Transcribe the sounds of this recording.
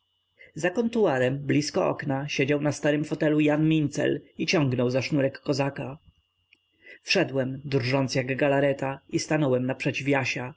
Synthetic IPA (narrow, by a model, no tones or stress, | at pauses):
zakɔnt̪uaɾɛmblʲiskɔʔɔ̰knaɕed͡ʑawnast̪aɾɘmfɔt̪ɛlujanmʲint̪sɛ̰lit͡ɕɔ̃ŋɡnɔwzaʂnuɾɛkːɔzaka | fʂɛd̪wɛmd̪rʐɔnsjaɡɡalaɾɛt̪aist̪anɔwɛmnapʂɛt͡ɕivʲjaɕa